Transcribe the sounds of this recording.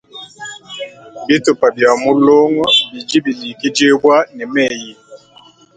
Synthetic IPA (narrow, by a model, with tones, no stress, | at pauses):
bi˦tu˨pa˨bja˨mu˦lo˦ŋɔ˦bi˨d͡ʒi˦bi˨li˨ki˦d͡ʒe˦bwa˦nɛ˨mɛ˦˨ji˨